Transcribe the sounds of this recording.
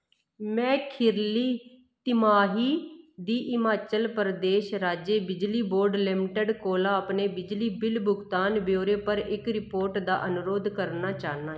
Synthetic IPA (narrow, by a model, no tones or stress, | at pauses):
mɛ̃ːkʰɪɾliː | t̪ɪmaːɦiːd̪iːʔɪmaːt͡ʃəlpəɾd̪eːʃɾaːd͡ʒeːbɪd͡ʒliːboːɾɖlɪmʈəɖkoːlaːəpneːbɪd͡ʒliːbɪlbʊɡt̪aːnbjoːɾeːpəɾɪkɾɪpoːɾʈd̪a̰ːʔənʊɾoːd̪kəɾnaːt͡ʃaːnaː